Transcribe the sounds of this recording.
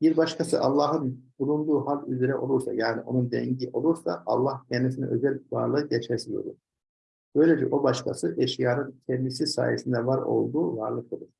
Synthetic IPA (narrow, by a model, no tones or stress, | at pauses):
biɾbaʃkʰasɯʔɑlˠːɑːɦɯnbulˠund̪uːhalʲyzeɾɛʔo̞lˠuɾsa̰jaːniʔo̞̰nund̪ɛ̰ɲɟiʔo̞lˠuɾsa̰ːlˠːahcʰend̪is̬inḭø̞̰zælʲva̰ɾlˠɯɟet͡ʃɛsilʲjo̰ɾṵ̥ | b̥ø̞jlʲed͡ʒɛ̰ʔobaʃkʰasɯʔeʃijaːɾɯnt̪ʰɛmisisa̰ːjesind̪ɛvaɾo̞̰lˠd̪uːva̰ɾlˠɯk̪ʰˠɯd̪ˠɯɾ̥